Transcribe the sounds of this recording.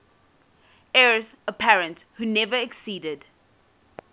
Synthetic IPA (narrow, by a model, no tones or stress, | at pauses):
ɛɹəsəpʰɛɹə̃nthunɛvəɛksiːdəd